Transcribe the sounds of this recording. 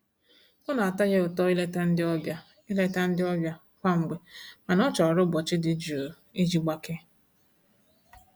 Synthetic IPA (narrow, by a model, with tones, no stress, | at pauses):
ʊ˦na˨a˨ta˦ɣe˦ʊ˨tɔ˦i˦le˦ta˦n̩˦dɪ˦ɔ˦bja˦ | i˦le˦ta˦n̩˦dɪ˦ɔ˦bja˦ | kʷa˦ŋ͡m̩˨ɡ͡be˨ma˨nɔ˦t͡ʃɔ˨ɾʊ˦bɔ˨t͡ʃɪ˦dɪ˨d͡ʒu˨ | i˦d͡ʒi˦ɡ͡ba˦ke˦